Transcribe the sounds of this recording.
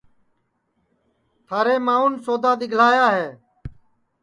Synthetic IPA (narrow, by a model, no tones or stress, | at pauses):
t̪ʰaːɾeːmaːuːnsoːd̪aːd̪ɪɡʱl̤aːjaːɦeː